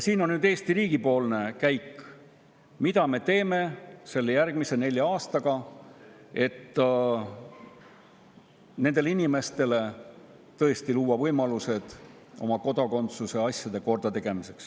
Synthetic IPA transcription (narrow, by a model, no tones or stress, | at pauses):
jsiːno̞nnyːd̪e̞ːst̪iɾiːɡ̥ipo̞ːlne̞kæjkː | mid̪ɑme̞t̪e̞ːme̞se̞lːejærɡ̥mise̞ne̞lʲjɑɑːst̪ɑɡ̥ɑ | e̞t̪ː | ne̞nd̪̥eleinime̞st̪e̞le̞ | t̪ɤ̞e̞st̪iluːwɑvɤ̞jmɑluse̞d̪̥ | o̞̰mɑko̞d̪ɑko̞nt̪suse̞ɑsʲjɑd̪e̞ko̞rd̪̥ɑt̪e̞ɡ̥e̞mise̞ks